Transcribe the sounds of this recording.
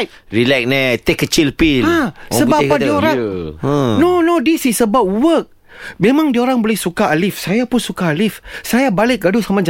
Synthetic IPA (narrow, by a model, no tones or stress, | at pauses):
ɾilɛk̚nɛt̪ekːət͡ʃilpilasəbbapːadioɾã | nonodisisəbap̚wək̚ | mẽmãŋdioɾaŋbolɛhsukaalifsajapʊnsukaːlifsajabalɪk̚ɡadusamãd͡ʒa